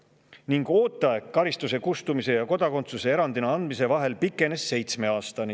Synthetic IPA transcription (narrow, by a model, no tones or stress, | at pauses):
niŋɡ̥o̞ːt̪ːˑɑekkːɑɾist̪use̞kust̪umise̞jɑko̞d̪̥ɑko̞nt̪suse̞e̞ɾɑnd̪̥inɑɑnd̪̥mise̞vɑɦe̞lpikːˑe̞ne̞sːe̞jt̪sme̞ɑːst̪ɑni